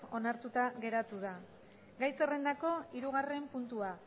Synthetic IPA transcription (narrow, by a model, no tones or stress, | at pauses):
o̞naɾt̪ut̪aɣe̞ɾat̪uð̞a | ɡajse̞re̞nd̪ako̞iɾuɣ̞are̞mpunt̪ua